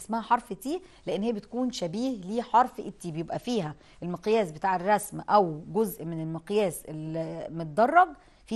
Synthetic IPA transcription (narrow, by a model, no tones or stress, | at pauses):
smæhæħɑɾˤft̪iː | leʔenːhejːæbet̪kuːnʃæbiːhliːħɑɾˤfʔet̪ːiːbejebʔæfiːɦæ | ʔelmeqjæːsbet̪aːʕerˤːɑsmʔæwɡozʔmenelmeqjæːsʔelmet̪̚d̪ɑrˤːɑb | fiː